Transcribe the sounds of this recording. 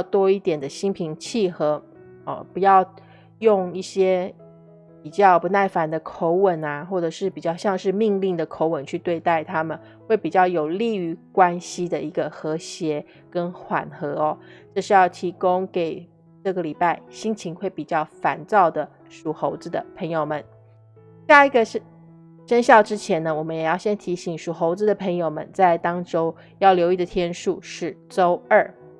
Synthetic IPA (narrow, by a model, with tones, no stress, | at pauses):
ʊt̪wɔ˥i˥˩t̪jɛ˨˩nd̪ə˦ɕi˥ŋpʰi˧˥ŋt͡ɕʰi˥˩xɤ˧˥ | ə̰˧˩pu˧˥jɑ˥˧ʊ | jʊ˥˧ŋi˥˩ɕjɛ˥ | pi˨˩t͡ɕjɑ˥˩ʊpu˧˥na˥˩ɪfa˧˥nd̪ə˧kʰo˧˥ʊwə˨˩na˦xwɔ˥˩ʈ͡ʂɤ˨˩ʂɻ̩˥˩pi˨˩t͡ɕjɑ˥˧ʊɕjɑ˥˧ŋʂɻ̩˥˧mi˥˧ŋli˥˩ŋd̪ə˩kʰo˧˥ʊwə˨˩nt͡ɕʰy˥˧t̪we˥˧ɪt̪a˥˩ɪt̪ʰa˥mə˨n | xwe˥˩ɪpi˨˩t͡ɕjɑ˥˩ʊjo˨˩ʊli˥˩y˧˥kwa˥nɕi˥d̪ə˨i˧˥ɡə˧xɤ˧˥ɕjɛ˧˥ | kə˥nxwa̰˨˩nxɤ˧˥ɔ˧ʈ͡ʂɤ˥˧ʂɻ̩˥˧jɑ˥˩ʊt̪ʰi˧˥kʊ˥ŋke˨˩ɪ | ʈ͡ʂɤ˥˩ɡə˩li˨˩pa˥˩ɪɕi˥ŋt͡ɕʰi˧˥ŋxwe˥˩ɪpi˨˩t͡ɕjɑ˥˩ʊfa˧˥nt͡sɑ˥˩ʊd̪ə˩ | ʂu˨˩xo˧˥ʊt͡sɹ̩˧d̪ə˨˩pʰɤ˧˥ŋjo˨˩ʊmə˦n | ɕja˥˧i˧˥ɡə˨˥ | ʂə˥nɕjɑ˥˩ʊʈ͡ʂɻ̩˥t͡ɕʰjɛ˧˥nə˧wɔ˨˩mə˦jɛ˨˩jɑ˥˩ʊɕjɛ˥nt̪ʰi˧˥ɕi˨˩ŋʂu˨˩xo˧˥ʊt͡sɹ̩˧d̪ə˨˩pʰɤ˧˥ŋjo˨˩ʊmə̰˧˦nt͡sa˥˩ɪt̪ɑ˥ŋʈ͡ʂo˥ʊ | jɑ˥˩ʊljo˧˥i˥˩d̪ə˩t̪ʰjɛ˥nʂu˥˧ʂɻ̩˥˩ʈ͡ʂo˥ʊə˞˥˩